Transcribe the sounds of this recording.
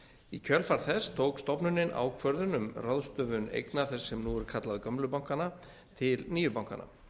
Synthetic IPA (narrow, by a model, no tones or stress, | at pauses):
icʰœlfaɾθɛst̪ʰowkst̪ɔpnʏnɪna̰wkʰvœɾðʏnʏmraðst̪œvʏnḛjknaθɛsːɛmnuːɛɾʏ̥kʰat̪laðkœmlʏpawŋkana | t̪ʰɪlniːjʏɾpawŋka̰na̰